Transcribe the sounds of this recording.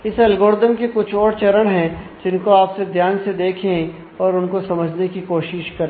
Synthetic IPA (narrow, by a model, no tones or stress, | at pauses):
ɪsɐlɡoːɾd̪əmkekʊt͡ʃʰɔːɾt͡ʃɐɾəɽ̃ɦɛ̃d͡ʒɪnkoaːpsed̪ʱjaːnsed̪eːkʰẽ | ɔːɾʊnkosɐməd͡ʒʱnekikoːʃɪʃkɐɾẽ